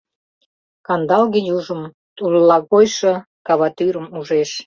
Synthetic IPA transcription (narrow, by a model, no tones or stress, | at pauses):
kɑnd̪ɑlɣejuʒəm | t̪ullɑɣojʃə | kɑβɑt̪yɾəmuʒeʃ